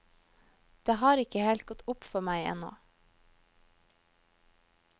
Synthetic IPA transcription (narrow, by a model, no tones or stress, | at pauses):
d̪̥eːhɑːɾɪkəheːlt̪̚ɡɔt̪ʊpfɔɾmæɪɛ̰no̰ː